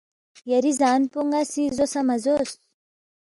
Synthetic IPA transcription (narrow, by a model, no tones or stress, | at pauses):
jaɾizanipoŋasizosamazos